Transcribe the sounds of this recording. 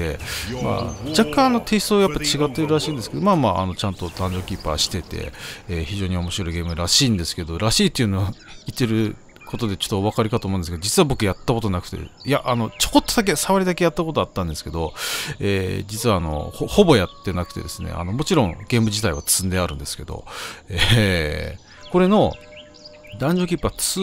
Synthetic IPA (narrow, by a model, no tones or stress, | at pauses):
ḛma̰d͡ʑakːãɰano̞t̪ʰe̞ːɕi̥soːjapːat͡ɕiɡat̪ːe̞ɾɯɾaɕiːnd̪esɨ̥ke̞d̪omaːmaʔa̰no̞t͡ɕãnt̪o̞t̪ãɲ̟d͡ʑo̞ːkʲipa̰ɕi̥t̪e̞t̪e̞̰eːçiʑo̞ːɲ̟io̞mo̞ɕiɾo̞iɡe̞ːmɯ̟ɾaɕiːnd̪e̞sɨ̥ke̞d̪o̞ɾaɕiːt̪ːeiɯ̟noit̪ːe̞ɾɯ̟ | kʰo̞t̪o̞d̪et͡ɕo̥t̪ːoːβ̞akaɾʲikat̪omõnsked̪d͡ʑit͡sɨβabo̞kɯ̟jat̪ːako̞t̪o̞nakɯ̟̥t̪e̞̰jaʔano̞t͡ɕo̞ko̞t̪ːod̪ak̬e̞saβaɾʲid̪ake̞jat̪ːako̞t̪oat̪ːãnd̪e̞sɨ̥ke̞d̪o̞eːd͡ʑit͡sɨβaːno̞̰hoho̞bo̞jat̪ːe̞nakɯ̟̥t̪e̞̰d̪e̞sɨne̞̰ʔa̰no̞mo̞t͡ɕiɾõ̞ŋɡ̥ẽ̞ːmbɯ̟ʑit̪aiβat͡sɨ̥sɨ̃nd̪e̞aɾɯ̟̃nd̪e̞sɨ̥ke̞d̪o̰e | ko̞ɾe̞no̞ | d̪ãɲ̟d͡ʑo̞kʲipːat͡s